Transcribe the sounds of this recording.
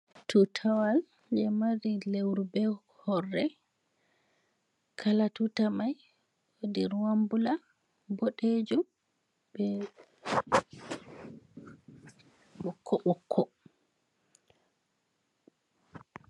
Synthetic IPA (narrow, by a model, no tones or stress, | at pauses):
tʰutʰawal | d͡ʒɛmaɾilewɾubɛ | hɔrːɛ | kʰalatutamaj | odiɾwambula | boɗed͡ʒum | bɛ | ɓɔkʰːɔɓɔkʰːɔ